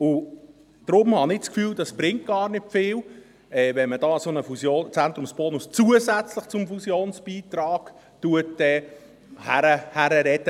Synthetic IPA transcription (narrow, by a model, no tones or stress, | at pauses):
ʊ | d̥ɾʊmhɑnɪt͡skfyːld̥ɑsb̥ɾɪŋt̚ɡ̥ɑːɾnɪtfɪːl | ɛvɛnmədɑːsonəfusjoːnt͡sænt̪ɾʊmsb̥ɔnust͡suəzæt͡slɪχt͡sʊmfusjoːnsb̥iːtrɑːɡ̥ | tuətɛː | hæɾəhæɾəɾɛdə